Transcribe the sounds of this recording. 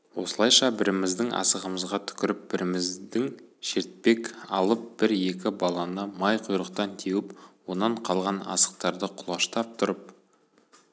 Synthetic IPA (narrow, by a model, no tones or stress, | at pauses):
wo̞səlˠɑjʃɑbɪɾɪmɪzd̪ɪŋʔɑ̰səʁəməzʁɑt̪ʰʏ̥kʲɪɾɪp̚b̥ɪɾɪmɪzd̪ɪŋʃe̞ɾt̪̚pe̞kɑ̰lˠəp̚b̥ɪɾe̞kʲɪbɑlˠɑnəmɑjqʰʊjɾəq̚t̪ɑnt̪ʰewɪpwo̞nɑɴqʰɑlˠʁɑnɑ̰sə̥q̚t̪ɑɾd̪əqʰʊlˠɑʃt̪ɑp̚t̪ʰʊɾəp̚